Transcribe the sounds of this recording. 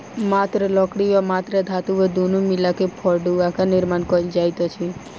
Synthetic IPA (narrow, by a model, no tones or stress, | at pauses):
mat̪ɾəlɔkɽiɔmat̪ɾəd̪ʱat̪uʋəd̪ʱunumilakepʰɔɾɖuakanɪɾmankɔld͡ʒajt̪ɔt͡ʃʰi